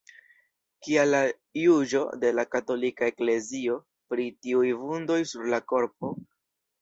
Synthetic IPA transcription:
kialːa | jud͡ʒo̞̰de̞lakato̞likae̞kle̞zio̞ | pɾitiujvundo̞jsuɾlako̞ɾp̚o̞

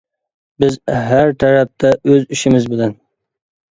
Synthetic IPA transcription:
bɪzɦæɾt̪ʰaɾap̚t̪ʰaʔɵzɪʃɪmɪzbɪlan

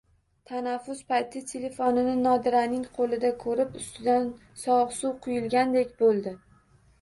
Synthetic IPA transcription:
t̪ʰanafːʊspajt̪ʰɪt̪ʰele̞fɒnɪnɪnɒd̪ɪɾanɪŋqʰolɪd̪akʰɵɾɪpʊst̪ʰɪd̪an | sɒʁsuwqʰʊjɪlˠɡʲand̪e̞kʲbolˠd̪ɪ

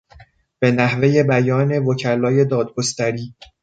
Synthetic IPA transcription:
b̥e̞næhve̞je̞bæjɒːne̞vocʰælɒːje̞d̪ɒːd̪̚ɡost̪æɾiː

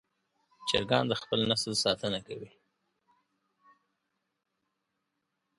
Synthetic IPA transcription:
t͡ʃə̰ɾɡɑnd̪əxpəlnasəlsɑt̪ənakawi

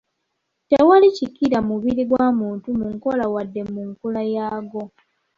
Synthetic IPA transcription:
tewalicikːiɾamuβiɾiɡwaːmuːntumuŋko̞lawadːe̞muŋkulajaːɡo̞

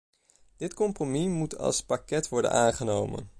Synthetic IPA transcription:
d̥ɪtkɔmpromimutʰɑ̰lˠspakɛtʋɔɹdə̰naːnχənowmə̰n

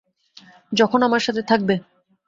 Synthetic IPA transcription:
d͡ʑɔkʰonamaɾʃat̪ʰet̪ʰak̚be

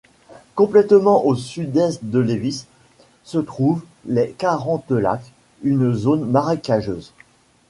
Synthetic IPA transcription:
kɔ̃plɛt̪mɑ̃ʔosyd̪ɛst̪̚d̪əlevisː | ət̪χuv | lɛkaʁɑ̃t̪̚əla̰k | ynzonmaʁakaʒøːz

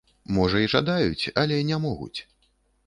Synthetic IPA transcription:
mɔʐɐiʐa̰d̪ajut͡sʲɐlʲɛnʲɛmɔɣṵt͡sʲ

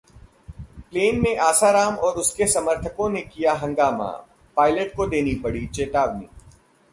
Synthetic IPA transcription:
pleːnmẽʔaːsaɾaːmɔːɾʊskesɐməɾt̪ʰəkõnekijaɦɐ̃ŋɡaːma̰ | paːɪləʈkod̪eːnipɐɽit͡ʃeːt̪aːʋnḭː

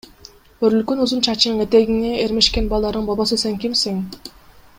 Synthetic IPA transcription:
øɾylkynuzunt͡ʃʰɑt͡ʃnŋet̪eɡiŋeeɾme̞ʃkenbɑlˠd̪ɑɾd̪ɯɴbɑbɑsɯse̞ŋkimseŋ

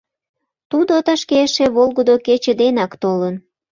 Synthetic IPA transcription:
t̪ud̪ot̪əʃkeʃeβolɣod̪oket͡ɕəd̪enɑkt̪olən

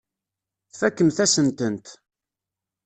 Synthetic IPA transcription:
θfækːəmθæsənt̪ənt̪

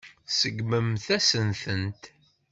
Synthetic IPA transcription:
səɡməmθæsənθənt̪

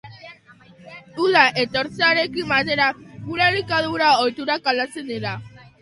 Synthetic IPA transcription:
uðaʔe̞t̪o̞ɾt͡seaɾe̞kimat̪̬eɾakuɾalikaðuɾaojt̪uɾakalat͡seneɾa

